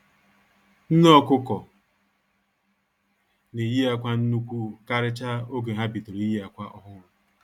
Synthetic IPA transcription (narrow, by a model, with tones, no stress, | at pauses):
n̩˦nɔ˦kʊ˦kɔ˨ | ne˨ji˦a˦kʷa˦n̩˦nu˦kʷu˦ka˦ɾɪ˦t͡ʃa˦o˦ɡe˨ɦa˦bi˨to˨ɾi˨˦ji˦a˨kʷa˦ʔɔ˦ɦʊ˦ɾʊ˨